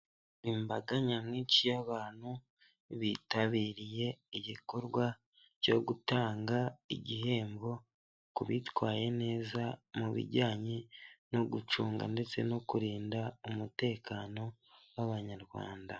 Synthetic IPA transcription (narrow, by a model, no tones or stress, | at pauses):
imbaɡaɲamŋiːt͡ʃijaβaːn̥hu | βitaβiːɾije̞iɟiko̞ɾɡwa | co̞ɡutaːŋɡaḭɟihe̞ːmbo̞ | kuβitwaːje̞ne̞ːzamuβḭɾɟaːɲino̞ɡut͡ʃuːŋɡa̰nde̞t͡se̞̰no̞kuɾiːndaumute̞ːkaːno̞ | βaβaɲaɾɡwa̰ːnda